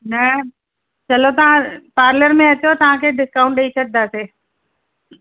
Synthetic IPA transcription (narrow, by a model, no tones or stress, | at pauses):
nɐ | t͡ɕɐlot̪ɐʋ̤ãpaːɾləɾmẽɐt͡ɕot̪ɐʋ̤ãkʰeɖɪskaːʊ̃ɳʈɗəisʰɐk̚d̪aseː